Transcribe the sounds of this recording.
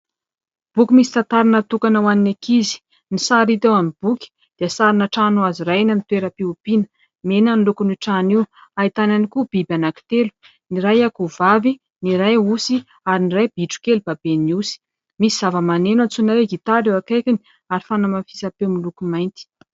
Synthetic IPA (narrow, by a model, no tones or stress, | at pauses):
b̥ukʲimisi̥t̪at̪aɾinət̪ukanawaninakizi̥ | nisaɾit̪ewamib̥ukʲi̥ | d̪̥iasaɾinəʈ͡ʂanuaziɾajnanit̪weɾəpiupinə̥ | menanlukunuʈ͡ʂaniwait̪ananikub̥ibanaki̥t̪elu̥ | niɾajakuvavi | niɾajusi | aɾiniɾajb̥iʈ͡ʂu̥kelub̥abeniusi̥ | misiz̥avəmanenat͡sunaɾeɡit̪aɾewakajkʲini̥ | aɾifanamafi̥sapemilukumajnt̪i̥